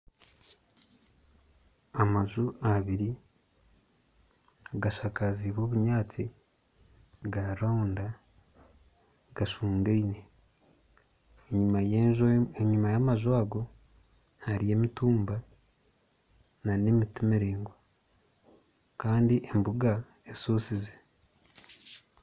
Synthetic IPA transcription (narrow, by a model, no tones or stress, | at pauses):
amazuaβiɾi | ɡaʃakaziβo̞ːβuɲaːt͡si | ɡaɾaunda | ɡ̥aʃuːŋɡeine̞ | eɲua | eɲumajamaʒwaːɡo̞ | haɾije̞mituːmba | nane̞mitimiɾeːŋɡwa | kaːndiʔembuɡa | esuːsize̥